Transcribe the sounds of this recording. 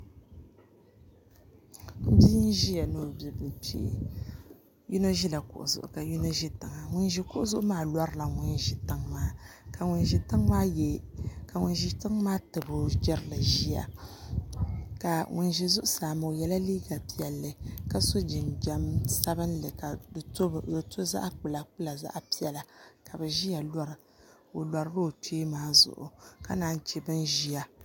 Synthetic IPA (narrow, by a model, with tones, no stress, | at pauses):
m̩˦bi˦n˦ʒi˦ja˨no˨˦˨bɛ˨bɨ˨pḭ˦˨ | ju˦no˦ʒi˦la˨kʊ̰˨ʔʊ̰˨zʊ̰˨ʔʊ̰˨ka˨ju˦no˦ʒi˦tɨ˨ŋa˨ŋʊ˨nʒi˨kʊ˦ʔʊ˦zʊ˦ʔʊ˦maː˦lɔ˦ɾɨ˦la˨ŋʊ˨nʒi˨tɨ˦ŋmaː˦ka˨ŋʊ˨nʒi˨tɨ˦ŋmaː˦jɛ˦ka˨ŋʊ˨nʒi˨tɨ˦ŋmaː˦tɨ˨bʊ˨d͡ʒɛ˦ɾɨ˦lɨ˨ʒi˦ja̰˨ | ka˨ŋʊ˨nʒi˦zʊ˦ʔʊ˦saː˨m˨o˨jɛ˦la˦liː˦ɡa˨pi˦ɛ˨lːɨ˨ka˦so˦d͡ʒɪ˨nd͡ʒa˨˦msa˦bɨ˦n˦lɨ˨ka˨dɨ˨tbdɨ˨to˦za̰˦ʔa˦k͡pɨ˨la˨k͡pɨ˦la˨za̰˦ʔpi˦jɛ˨la˨ka˨bɨ˨ʒi˦ja˨la˦ɾɨ˨ | o˨la˨ɾɨ˦bɨ˦o˨teː˦maː˦zʊ̰˨ʔʊ̰˨ka˦naː˦n˦t͡ʃɛ˦bɨ˦nʒi˦ja˨